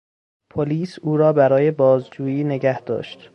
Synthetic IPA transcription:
pʰoliːsuːɾɒːbæɾɒːjebɒːzd͡ʒuːjiːne̞ɡæhd̪̥ɒ̰ːʃt̪

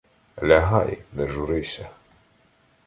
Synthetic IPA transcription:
lʲɐɦɑjnɛʒuɾɪsʲɐ

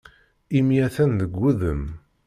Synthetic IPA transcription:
imjæθænðəɡʷːuðəm

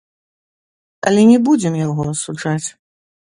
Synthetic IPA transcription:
ɐ̰lʲɛnʲɛbud͡zʲɛmjaɣɔɐsud͡ʐat͡sʲ

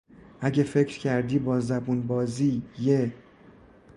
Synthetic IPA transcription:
ʔæɟefe̞cʰɾcʰæɾd̪iːbɒːzæbunbɒːziːje

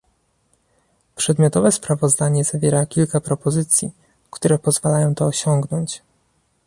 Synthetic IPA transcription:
pʂɛd̪mʲjɔt̪ɔvɛspɾavɔzd̪aɲɛzavʲjɛɾakʲilkapɾɔpɔzɘt̪sʲji | kt̪uɾɛpɔzvalajɔ̃w̃t̪ɔːɕɔŋɡnɔɲt͡ɕ

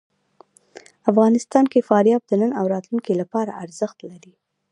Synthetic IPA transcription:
afɣɑnɪst̪ɑnkefɑɾjɑb̚d̪ənənawɾɑt̪lunkilapɑɾa̰aɾzəxt̪laɾi

